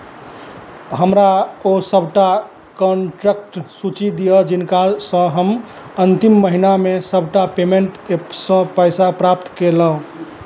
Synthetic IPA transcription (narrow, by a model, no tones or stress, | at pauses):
ɦəmɾaosəbʱʈa | kɔnʈɾek̚ʈsut͡ʃid̪ijəd͡ʒinkasə̃ɦəm | ənt̪imːəɦinamesəbʱʈapemeɳʈkesə̃pəjsapɾapt̪kelə̃